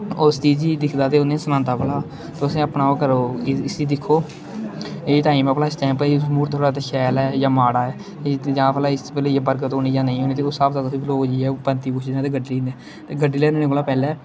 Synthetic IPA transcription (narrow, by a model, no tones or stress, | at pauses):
ost̪iːd͡ʒiːd̪ɪkʰd̪aːt̪eːʊnẽːsənãːnt̪aːpəlaː | t̪oəsĩːəpnaːoːkəɾoːɪsiːd̪ɪkʰːoː | eːt̪aːĩːmãːplaːɪsʈaːmpəimuːɾt̪ʰoːɽaːt̪aʃʰɛːlɛːjãːmaːɽaːɛː | d͡ʒãːpʰəlaːɪspɛːlejaːbəɾɡət̪oːniːd͡ʒãːnəĩːɦoːniːt̪eːoːsaːbt̪aːt̪ʊsĩːbloːd͡ʒiːɛːpənt̪iːp̬ʊt͡ʃʰd̪eaːt̪eːɡəɖlĩːnd̪ɛː | t̪eːɡəɖiːlɛːnːnekoːlaːpɛːlɛː